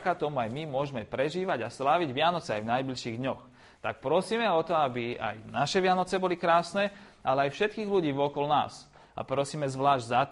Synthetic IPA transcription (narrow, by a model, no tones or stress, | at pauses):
kat̪ɔmuajmimʊɔʒmɛpɾɛʒiːʋaɟaslaːʋiɟʋɪanɔt͡sɛajvnajblilʃiːɣd̪ɲɔx | t̪ak̚pɾɔsiːmɛɔt̪ɔabia̰jnaʃɛʋɪanɔt͡sɛbɔlikɾaːsnɛ | alɛajfʃɛt̪̚kiːɣluɟiːʋɔkɔlna̰ːs | a̰pɾɔsiːmɛzʋlaːʒɟza